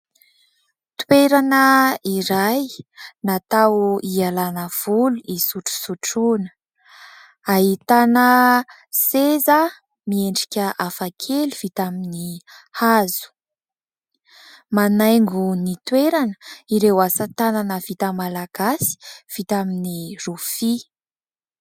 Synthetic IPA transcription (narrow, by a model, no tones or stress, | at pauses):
t̪weɾanəiɾajnat̪awuialanəv̥uluisuʈ͡ʂu̥suʈ͡ʂunə̥ | aɦit̪anə | sezə | mieɳɖ͡ʐi̥kʲəʔafakʰeluv̥it̪aminihazu̥ | manajŋɡunit̪weɾanə̥iɾewasət̪ananəv̥it̪əmalaɡ̥asi̥v̥it̪aminirufi